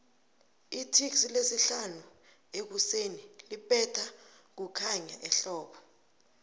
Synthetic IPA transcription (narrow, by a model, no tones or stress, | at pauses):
itʰiksilesiɬanu | ek̬usenilipʼɛtʰa | k̬ukʰaɲaʔɛɬɔːɓɔ